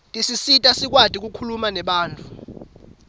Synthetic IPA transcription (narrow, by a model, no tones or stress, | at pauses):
tʼisisitʼasik̬ʼwatʼik̬ukʰulumanɛɓaːntʰʼu